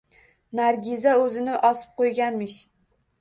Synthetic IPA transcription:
naɾɡʲɪzaɵzɪnɪʔɒsɪ̥p̚qʰojɡʲanmɪʃ

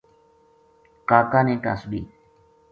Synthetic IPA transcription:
kaːkaːnẽːʈa̰ːsbḭː

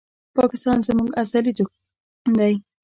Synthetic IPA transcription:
pɑkɪst̪ɑnzmuɡasalid͡ʒ̪o | d̪aj

